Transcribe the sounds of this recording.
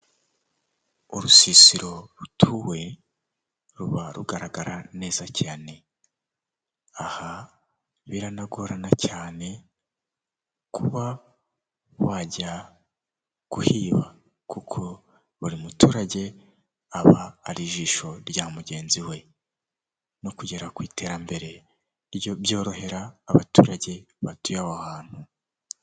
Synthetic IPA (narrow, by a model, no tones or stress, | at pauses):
uɾusisiɾo̞ɾutʰuwe̞ | ɾuβaɾuɡaɾaɡaɾane̞ːzacʰaːne̞ | aha | βiɾanaɡoɾanacaːne̞ | kʰuβa | βwaɟa | ɡ̥uhiːβa | kukʰo̞ | βuɾimutuːɾaɟe̞ | aβaːɾiʒiːʃo̞ɾɟaːmuɟe̞ːnziwe̞ | no̞kuɟe̞ɾakwiːtʰe̞ːɾambe̞ɾe̞ | βoβjo̞ːɾo̞he̞ɾaːβatuːɾaɟe̞βatujawoahaːn̥hu